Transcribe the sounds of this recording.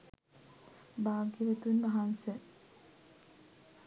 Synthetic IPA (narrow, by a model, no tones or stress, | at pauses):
baːɡəʋət̪unʋaɦansə